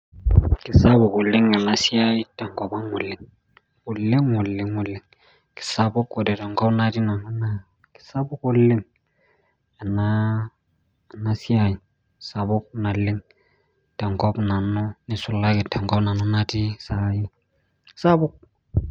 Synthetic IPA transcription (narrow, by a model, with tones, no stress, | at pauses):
kɪ˨sa˦bʊ˨kʊ˨lɪ˦ŋa˨na˦si˦a˦ji˦tɛ˨ŋɡɔ˨ba˦ŋʊ˨lːɪ˨ŋ | kʊ˨lːɪ˦ŋʊ˨lːɪ˨ŋʊ˨lːɪ˨ŋ | kɪ̥˨sa˦bʊ˦ko˨dɛ˨tɛ˨ŋɡɔ˦bna˦di˦na˨nʊ˦na˦ | kɪ̥˨sa˦bʊ˦kʊ˦lːɪ˦ŋ | a˨na˦˨ | na˦si˦a˨jɪ˨ | sa˨bʊ˦k̚na˨lɪ˦ŋ | tɛ˨ŋkɔ˦bna˨nʊ˦nɪ˨sʊ˦la˦kɪ˨tɛ˨ŋɡɔ˦bna˨nʊ˦na˦ti˦sa˦jɪ˦ | sa˦bʊ˦k̚